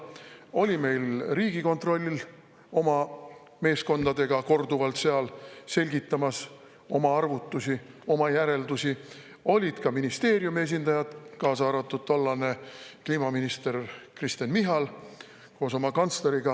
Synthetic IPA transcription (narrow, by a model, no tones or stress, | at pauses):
o̞lʲime̞jlriːɡiko̞nt̪ro̞lʲːil | o̞mɑ | me̞ːsko̞nd̪ɑd̪e̞ɡ̥ɑko̞rd̪uvɑlt̪se̞ɑlse̞lʲɡ̥it̪ːˑɑmɑs | o̞mɑɑrvut̪ːˑusʲi | o̞mɑjæɾe̞ld̪usi | o̞lʲid̪̥kɑminist̪e̞ːɾjumie̞s̬ind̪̥ɑjɑd̪̥kɑːsɑːɾɑt̪ːˑud̪̥̚t̪ːolːɑne̞kliːmɑminist̪e̞rkrist̪enmiɦɑl | ko̞ːso̞mɑkɑnt̪sleɾiɡ̥ɑ